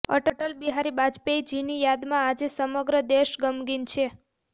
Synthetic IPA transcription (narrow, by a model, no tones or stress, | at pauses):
ə̰ʈəʈəlbiɦaɾibad͡ʒpeid͡ʒinijad̪mãːd͡ʒesəməɡɾəd̪eʃɡəmɡint͡ʃʰe